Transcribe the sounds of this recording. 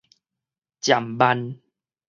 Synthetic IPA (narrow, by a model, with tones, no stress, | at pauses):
t͡ɕja˨˩mba˧n